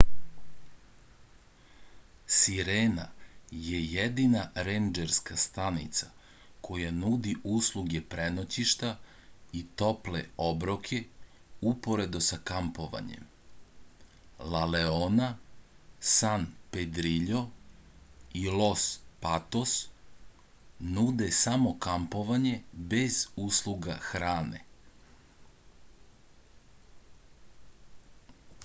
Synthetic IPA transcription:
siɾeːnaje̞jed̪inaɾend͡ʒeɾskast̪anḭt̪sa | kʰo̞janud̪iʔuːslˠuɡe̞pɾenot͡ɕiʃt̪a | it̪o̞plḛo̞bɾokʰe̞ | upo̞ɾe̞d̪osakampo̞ʋa̰ɲḛm | laleona | sanped̪ɾiʎo̞ | ilo̞spat̪os | nud̪e̞samo̞kampo̞ʋaɲe̞be̞zuːslˠuɡa̰xɾaːnḛ

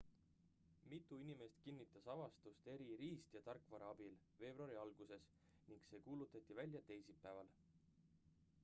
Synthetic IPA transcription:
mit̪ːˑuinime̞st̪kinːit̪ːˑɑsɑvɑst̪ust̪e̞ɾiɾiːst̪jɑt̪ɑrkːˑvɑɾɑɑb̥il | ve̞ːb̥roɑɾiɑlɡ̥use̞s | niŋkse̞ːkuːlut̪ːˑɑt̪ːˑivælʲjɑt̪e̞jsipːæevɑl

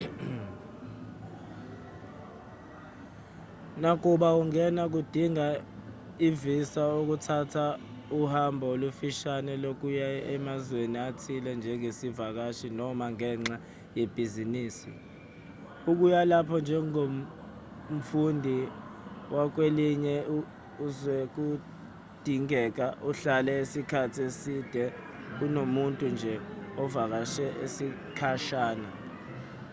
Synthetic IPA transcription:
nak̬uɓawuŋɛnak̬ud̥ʱiŋa | ivisaok̬utʰatʰa | uhambʱaolufiʃanɛlok̬ujaɛmazweniatʰilɛnd͡ʒʱɛŋesivak̬aʃinɔmaŋɛːŋ͡ǁa | jeb̥ʱiziniːsḭ | uk̬ujalapʰɔnd͡ʒʱɛŋom | m̩fundʱi | wʔak̬weliɲɛ | uzwɛk̬u | d̥ʱiŋɛk̬aʔuɬalɛisikʰatʰiesid̥ʱɛ | unomuntʼund͡ʒʱɛɔvak̬aʃɛʔḛsi | kʰaʃaːna

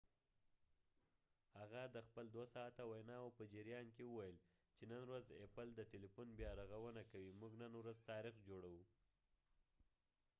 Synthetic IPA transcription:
haɣad̪əxpəld̪wasɑːt̪awajnɑapəd͡ʒɪɾjɑnkewəwajəl | t͡ʃenənɾazepəld̪ətɪlipunbjɑɾaɣawənakawimuɡnənwɾazt̪ɑɾixd͡ʒoɽawu

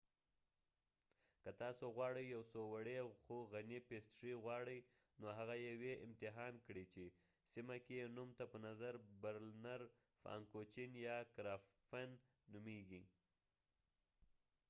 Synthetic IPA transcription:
kat̪ɑsoɣwɑɽəjjawsowaɽexoɣanipest̪ʂiɣwɑɽəj | noɦaɣajeweʔɪmt̪ɪɦɑnkɽit͡ʃe | simakejenumt̪apənazaɾbaɾlnaɾ | fɑ̰ŋkot͡ʃinjɑkɾɑfanː | umeɡi

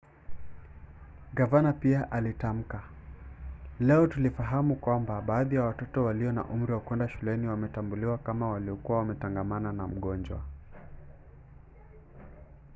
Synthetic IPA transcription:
ɡavanapiaʔalitam̩ka | lɛɔtulifaɦamukwambaɓaːðijawatɔtɔwaliɔna̰ʔum̩ɾiwakwɛndaʃulɛniwamɛtambuliwakamawaliɔkuwawamɛtaŋɡamananam̩ɠɔnd͡ʒwa̰

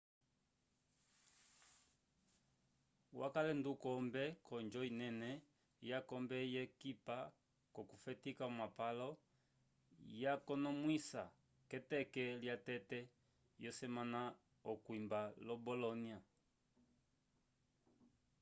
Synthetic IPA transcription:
wa̰kalɛndukɔmbɛkɔnd͡ʒɔinɛnɛ | jakɔmbɛjɛkipa | kɔkufɛtikaɔmapalɔ | jakɔnɔmwisa | kɛtɛkɛljatɛtɛ | jɔsɛmana | ɔkwimbalɔbɔlɔnia

